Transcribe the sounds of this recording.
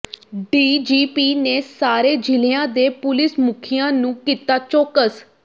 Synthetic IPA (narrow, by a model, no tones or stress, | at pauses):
ɖiːd͡ʒiːpiːneːsaːɾeːd͡ʒɪleãːd̪eːpʊlɪsmʊkʰɪjãːnũːkiːt̪aːt͡ʃɔːkəs